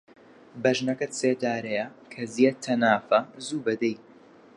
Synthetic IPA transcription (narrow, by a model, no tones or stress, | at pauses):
bɐʒnɐkɐt̪seːd̪aːɾɐjɐkʰɐzjet̪ʰːɐnaːfɐzuːbɐd̪ɛj